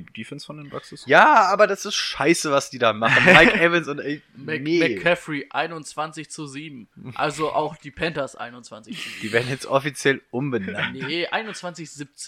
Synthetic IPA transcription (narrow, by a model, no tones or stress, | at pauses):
d̥ifɛnsfɔndenbaksəsjaːʔaːbɐdasɪstʃaɪsəvasd̥iːdaːmaχən̩nmaɪkɛvənsʊntɛmɛnemɛkkʰːɛfʁiʔaɪnʊnt͡sv̥ant͡sɪçt͡suziːbm̩ʔa̰lzoʔa̰ʊxd̥iːpʰɛntɐsʔa̰ɪnʊnt͡sv̥a̰nt͡sɪçt͡sud̥iːveːɐdn̩jɛt͡stʔɔfit͡sjɛlʔʊmbəna̰nʔa̰ɪnʊnt͡sv̥ant͡sɪçz̥ip̚t͡se